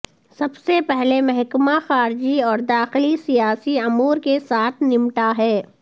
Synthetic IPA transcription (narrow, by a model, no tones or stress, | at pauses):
sɐbsepɛɦlemɛɦkmaxaːɾd͡ʒiɔːɾd̪aːxɪlisijaːsiʊmuːɾkesaːt̪ʰnɪmʈaɦɛː